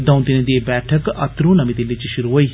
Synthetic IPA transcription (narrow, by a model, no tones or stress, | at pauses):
d̪ə̃ũt̪ɪnẽd̪ibɛːʈʰəkɐt̪ɾũːnəmiːd̪eːlɪt͡ʃʃʊɾuːɦoːiː